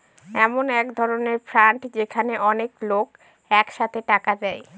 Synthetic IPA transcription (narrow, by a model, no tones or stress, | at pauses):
ɛmonɛkd̪ʱɔɾoneɾfɾaɳʈd͡ʑekʰaneʔɔneklok | ɛkʃat̪ʰeʈakad̪ɛj